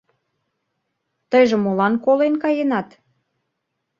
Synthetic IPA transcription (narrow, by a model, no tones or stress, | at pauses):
t̪əjʒĕmolɑnkolenkɑjenɑt̪